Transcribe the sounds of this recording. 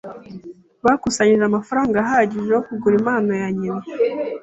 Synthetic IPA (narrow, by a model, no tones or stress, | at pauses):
βakusaɲiʒeamafaɾaːŋɡaːɦaɟiʒehokuɡuɾimaːnajaɲina